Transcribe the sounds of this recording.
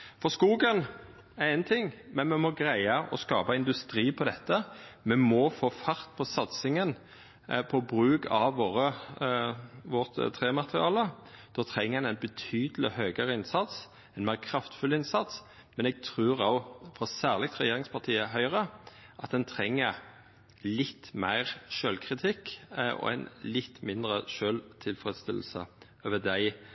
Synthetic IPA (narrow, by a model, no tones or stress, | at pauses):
fɔskuːɡən | æɛnt̪ʰɪŋːmɛnmɛmɔɡɾæɪɑʔɔ̰skɑ̰ːpɑɪnd̪ʉst̪ɾiːpʰɔd̪ɛt̪ːəmɛmɔfoːfɑɾt̪̚pʰɔsɑt̪sɪŋən | pʰɔbɾʉːkɑʋʋoːɾə | ʋɔʁt̪t̪ʰɾeːmɑt̪ʁɪɑːlə | d̪̥oːt̪ʰɾɛŋːəʁɛnɛɪnbət̪ʰyːd̪əlɪ̰høːɡəɾəɪnsɑt̪s | ɛnmæɪʁkʰɾɑft̪fʉlɪnsɑt̪s | mɛnɛɡ̚t̪ʰʁʉːɾoʊfɾɔsæːʁlɪɡ̚t̪ʁɛjeːɾɪŋspʰɑʁt̪ʰiːəɦœʏʁəʔɑt̪̚d̪ɛnt̪ʰɾɛŋːə | lɪt̪ːmæ̰ɪʁʃøːlkʰʁɪt̪ʰɪkːɔ̰ɛ̰ɪnlɪt̪ːmɪnd̪ʁəʃøːlt̪ʰɪlfʁɛd̪st̪ɪ̰l̩sə̰ | øːʋəd̪æɪ